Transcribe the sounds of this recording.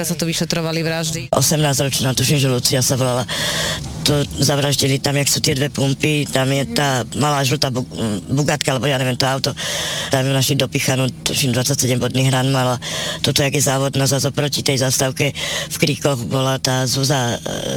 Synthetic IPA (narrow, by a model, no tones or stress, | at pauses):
asat̪ɔʋiʃɛt̪ɾɔʋaliʋɾaʒd̪iʔɔ̰sɛmnaːzɾɔt͡ʃnaːt̪uʃimʒɛlut͡siasaʋɔlala | t̪ɔzaʋɾaʒɟilit̪amjaksuːt̪ɪɛd̪ʋɛpumpit̪amjɛt̪aːmalaːʒlut̪abubuɡat̪̚kaalɛbɔjanɲɛʋjɛmt̪ɔaʊt̪ɔt̪amunaʃid̪ɔpixanut̪uʃimd̪ʋat͡sac̚sɛɟɛmbɔd̪niːɣɾanmalat̪ɔt̪ɔjaɡjɛzaːʋɔd̪nazazɔpɾɔcit̪ɛjzast̪aʊkɛfkɾikɔɣbɔlat̪aːzuza